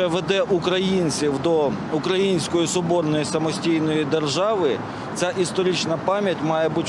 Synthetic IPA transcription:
ɛʋed̪ɛʔukɾɐjinʲt͡sʲiwd̪ɔ | ʊkɾɐjinʲsʲkɔjisɔbɔrnɔjisɐmɔsʲtʲijnɔjid̪erʒɑʋɪ | t͡sʲaʔist̪ɔɾʲit͡ʃnɐpɑmʲjɐtʲmɑjɛbutʲ

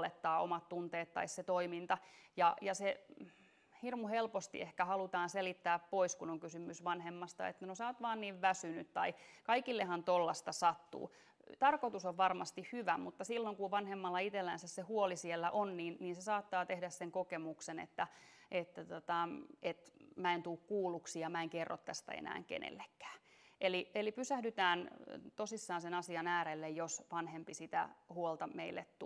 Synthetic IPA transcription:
let̪ːɑːo̰mɑt̪t̪unt̪eːt̪tːɑ̰isset̪oimint̪ɑjɑjɑse | hirmuhelpost̪ḭehkæhɑlut̪ɑːnselit̪ːæːppoiskunoŋkysymysʋɑnhemːɑst̪ɑ̰ḛt̪ːænosoːt̪ʋɑːnniːʋʋæsynyt̪t̪ɑikɑikilːehɑnt̪olːɑst̪ɑsɑt̪ːṵː | t̪ɑrkot̪usoʋʋɑrmɑst̪ihhyʋæmut̪ːɑsilːoŋkuʋʋɑnhemːɑlːɑit̪elːænsæssehuolisielːæ̰ʔonniːnniːnsesɑːt̪ːɑːt̪ehdæsseŋkokemuksenḛt̪ːæʔet̪ːæt̪ot̪ɑʔet̪mæent̪uːkkuːluksiɑmæeŋkerːʔo̰t̪tːæst̪æ̰ḛnæ̰ːŋkḛnḛlːekːæ̥ːʔelielipysæhdyt̪æːnt̪osisːɑːnsenɑsiɑnæːɾelːejjosʋɑnhempisit̪æ̰huolt̪ɑmeilːet̪t̪u

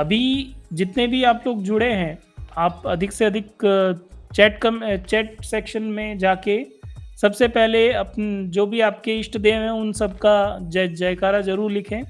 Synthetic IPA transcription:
ɐbʱid͡ʒɪt̪nebʱiaːploːɡd͡ʒʊɽeɦɛ̃ː | aːpɐd̪ʱɪkseɐd̪ʱɪk | t͡ʃɛːʈkɐmt͡ʃɛːʈ̚sɛːkʃənmẽd͡ʒaːkesɐbsepɛɦleɐpnd͡ʒoːbʱiaːp̚keɪʃʈd̪eʋɛ̃ʊnsɐb̚kad͡ʒd͡ʒaːjkaːɾazɐɾuːɾlɪkʰẽː

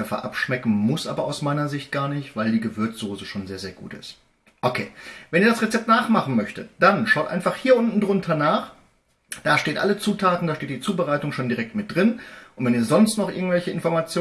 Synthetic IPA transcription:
ɛfɐ̰ʔa̰pʃmɛkn̩mʊsʔa̰ːbɐʔaʊsmaɪnɐzɪçt̚ɡ̥aːɐnɪçtv̥aɪldiːɡəvʏɐt͡sz̥oːzəʃoːnzeːɐzeːɐɡ̥ṵːtɪ̰st | ʔokʰeːvɛniɐdasʁɛt͡sɛp̚tnaːχmaχn̩mœçtətd̥anʃaʊtʔaɪnfaχhiːɐʔʊntn̩dʁʊntʰɐnaːχ | d̥aːʃteːtʔa̰lət͡suːtʰaːtn̩daːʃteːt̚d̥iːt͡suːbəʁaɪtʊŋʃoːndiʁɛk̚tmɪt̚d̥ʁɪnʔʊntv̥ɛniːɐzɔnstnɔχʔɪɐɡŋ̩tvɛlçəɪnfɔɐmat͡sjoː

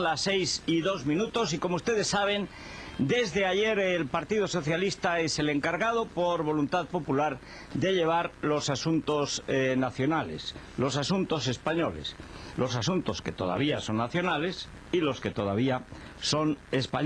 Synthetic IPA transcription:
lasːejsiðo̞zmĩnut̪o̞s̬iko̞moust̪e̞ðe̞sːaβ̞e̞n | d̪e̞zðeaʝe̞ɾelpaɾt̪iðoso̞θjalist̪ae̞se̞le̞ŋkaɾɣaðo̞poɾβo̞lunt̪aðpo̞pulaɾ | d̪e̞ʎe̞β̞aɾlo̞sasunt̪o̞snaθjo̞nale̞̰s | lo̞sasunt̪o̞se̞spaɲo̞le̞̰slo̞sasunt̪o̞ske̞t̪o̞ða̰β̞iaso̞nːaθjo̞nale̞s | ilo̞ske̞t̪o̞ðaβ̞ia | so̞ne̞spaɲ

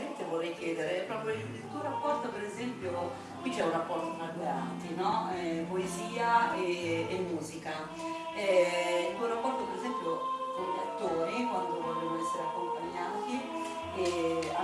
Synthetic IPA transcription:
ɛnt̪evorːɛjk̟jɛːd̪eɾepɾɔːpɾjoiilt̪uoɾapːɔrt̪opeɾezɛmpjo | kwit͡ʃːɛunrapːɔrt̪ot̪ɾad̪oɾa̰ːt̪inɔɛpoeziːaeːmːuːzika | ɛilt̪uoɾapːɔrt̪opeɾezɛmpjosɛlat̪ːoːɾikwand̪ovɔʎːonoɛsːeɾeakːompaɲːant̪i | ɛa

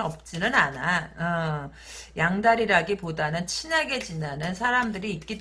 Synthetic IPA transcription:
ʌp̚t͡ɕ͈inɯnanaʌ | jaŋdaɾiɾaɡipodanɯnt͡ɕʰinaɡe̞t͡ɕinanɯnsʰaɾamdɯɾiːt̚k͈id

